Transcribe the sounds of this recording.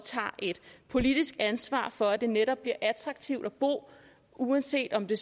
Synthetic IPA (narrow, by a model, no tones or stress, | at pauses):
t͡sʰɑ̰̈ːʔe̝d̥pʰo̝lid̥isɡ̥ænsʋɑ̰̈ːfɒ̽æd̥e̝neɾɒ̽b̥liɐ̰ʔæt͡sʰʁɡ̥̚t͡sʰiʊd̥æb̥o̝̰ː | uænse̝̰ːd̥ɒ̽md̥e̝s